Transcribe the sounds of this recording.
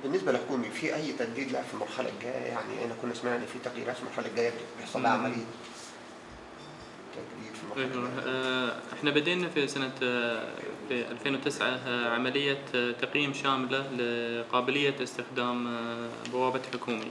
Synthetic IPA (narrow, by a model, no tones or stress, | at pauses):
bɪnːɪsballħʊkuːmifiʔæjːt̪aɡd̪iːd̪laːfimʊɾˤxalʔa̰k̚ɡæːj̰jaʕnḭʔḛnʔækuːnʔasmaʕʔɪnːfit̪aqjḭːɾʔaːt̪fimaɾxalaɡæːjab̪̚bjeħsˤɑlːʕamali | t̪aɡd̪iːd̪fimaʔw | ʔɪħnabɪd̪eːnafisana | fiʔalfeːnwɪt̪ɪsʕaʕamalɪjːat̪ɑqjiːmʃaːmlalɪqɑːbɪlɪjːaɪst̪ɪxd̪aːmbawaːbɪt̪ħʊkuːmi